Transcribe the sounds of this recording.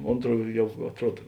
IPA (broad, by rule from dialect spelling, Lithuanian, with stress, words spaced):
ˈoːntˌruɔ ˈjɛʊ ɐtˈruɔt